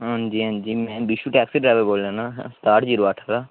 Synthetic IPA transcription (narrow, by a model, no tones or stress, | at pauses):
ɦãnd͡ʒiːɦãːnd͡ʒiːmɛ̃ːbiʃuːʈɛːksiːɖɾaːʋəɾboːlãːnaːsʈaːʈd͡ʒiːɾoaːʈʰaːɾaː